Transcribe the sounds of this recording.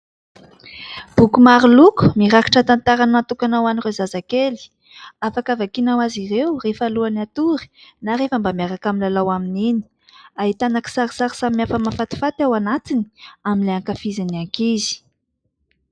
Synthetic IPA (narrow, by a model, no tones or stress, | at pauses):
b̥ukumaɾiluku̥miɾaki̥ʈ͡ʂat̪ant̪aɾanant̪ukanawanirezazakeli̥ | afakavakinawazirewrefaluanat̪uɾi̥naɾefəmbamiaɾakaminlalawaminini̥ | aɦit̪anaki̥saɾi̥saɾi̥samːiafəmafat̪i̥fat̪awanat̪ini̥aminleaŋkafizaniaŋkizi̥